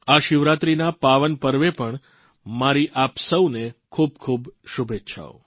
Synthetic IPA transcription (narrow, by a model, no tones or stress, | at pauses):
aʃɪʋɾat̪ɾinapaʋənpəɾʋepəɳ | maɾiʔapsəwnekʰub̚kʰubʃubʱetːʃʰa̰o̰